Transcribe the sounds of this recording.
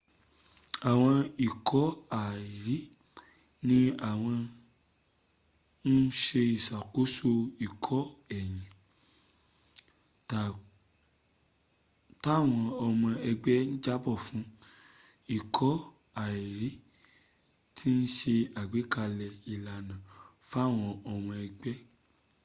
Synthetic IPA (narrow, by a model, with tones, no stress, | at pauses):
a˨w̃ɔ̃˧i˨kʰɔ˨˦a˨i˨ɾi˨˦ | nĩ˦a˨w̃ɔ̃˧ | n̩˦ʃe˧i˨sa˨ko˨˦so˦˧i˨kʰɔ˨˦ɛ˨j̃ĩ˨ | ta˨ | ta˦˨w̃ɔ̃˧ɔ˧mɔ̃˧ɛ˧ɡ͡bɛ˦ñ̩˦d͡ʒa˦bɔ˦˨fũ˨˦ | i˦˨kʰɔ˨˦ | a˨i˨ɾi˨˦ | tʰi˦n̩˦ʃe˧a˨ɡ͡be˨˦ka˧lɛ˧i˨la˨nã˨fa˦˨w̃ɔ̃˧ɔ˧mɔ̃˧ɛ˧ɡ͡bɛ˦